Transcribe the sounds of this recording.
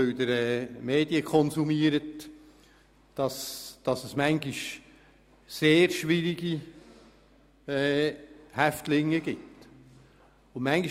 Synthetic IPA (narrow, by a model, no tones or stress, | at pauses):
øwd̪əɾɛːmeːdiəkʰɔnsumiːəɾət | d̥ɑsd̥ɑsəsmæŋɡiʃ | seːɾʃʋɪɾiɡi | ɛhæft̪lɪŋːəɡ̥ɪt | ʊmæŋɡi